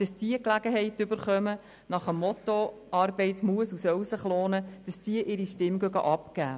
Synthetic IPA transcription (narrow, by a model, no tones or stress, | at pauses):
d̥ɑsd̥iəklæɡəɦɛɪtʏbəɾχœmə | nɑχəmːɔt̪oʔɑːrbɛɪtmuəsusœwsəχloːnəd̥ɑsd̥iəʔɪɾiʃtɪmɡ̥œɡɑ̰ʔɑpkæː